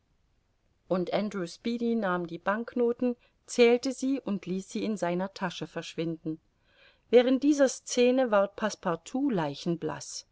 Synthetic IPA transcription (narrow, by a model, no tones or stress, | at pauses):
ʔʊntʔandʁuːspiːdinaːmdiːbaŋknoːtn̩ | t͡sɛːltəziːʔʊntʰliːsz̥iːɪnzaɪnɐtʰaʃəfɛɐʃv̥ɪndn̩ | vɛːʁ̞ənt̚d̥iːzɐst͡seːnəvaɐʁt̚pʰaspʰaɐtʰuːlaɪçn̩bla̰s